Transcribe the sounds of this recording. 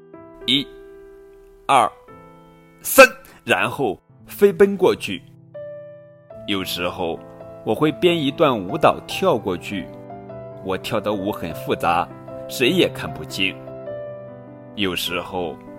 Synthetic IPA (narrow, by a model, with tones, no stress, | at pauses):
i˥ | ɐ˥˩ | sa˥n | ɻa˧˥nxo˥˩ʊ | fe˥ɪp̬ə˥nkwɔ˥˧t͡ɕʰy˥˩ | jo˨˩ʊʂɻ̩˧˥xo˥˩ʊwɔ˨˩xwe˥˩ɪpjɛ˥ni˧˥t̪wa˥˩nu˧˥t̪ɑ˨˩ʊt̪ʰjɑ˥˧ʊkwɔ˥˧t͡ɕʰy˥˩ | wɔ˨˩t̪ʰjɑ˥˩ʊd̪ə˧u˧˥xə˨˩nfu˥˩t͡sa˧˥ | ʂe˧˥ɪjɛ˨˩kʰa˥˩npu˥˩t͡ɕʰi˥˩n | jo˨˩ʊʂɻ̩˧˥xo˥˩ʊ